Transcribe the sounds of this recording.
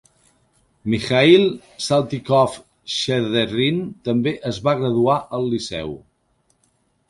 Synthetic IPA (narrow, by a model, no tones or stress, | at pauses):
mixailˠ | salˠt̪ikɔf | ʃeðerint̪əmbeʔəzβaɣ̞ɾəðuaʔəlˠːisɛ̰w